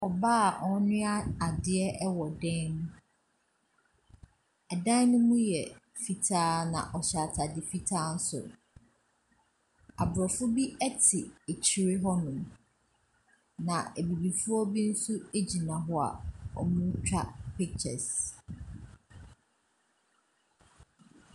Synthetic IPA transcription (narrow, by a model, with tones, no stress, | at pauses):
ɔ˨baː˦˨ʔɔ˦nɪ̃˦a˦a˨dɪ˨ɛ˦ʔɛ˦wɔ˨dɛ̃˦nũ˦ | ɛ˨dã˦nʊ̃˦mũ˦jɛ˨ | fi˨tʰaː˦nã̰˨ʔɔ˨ɕa˨tʰa˨dɪ˨fi˦tʰaː˦n̩˦sʊ̰˨ | a˨bɾɔ˨fʊ˦bi˦ɛ˦tʰɪ˨e˨t͡ɕʰi˨ɾɪ˦ɦɔ˦nʊ̃˨m | nã˨e˨bi˨bi˨fʊ˦ɔ˦bi˦n̩˦su˦e˦d͡ʑi˨nã˨ɦɔ˦a̰˨ɔ̰˨mʊ̃˦t͡ɕᶣa˦pi˦k̚t͡ɕʰɛ̰˨s